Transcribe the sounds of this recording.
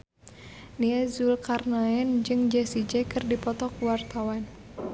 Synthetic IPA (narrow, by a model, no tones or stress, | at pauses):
niɛzulkarnaɛnd͡ʒɨŋd͡ʒɛsid͡ʒɛkɨrdipɔt̪ɔkuwart̪awan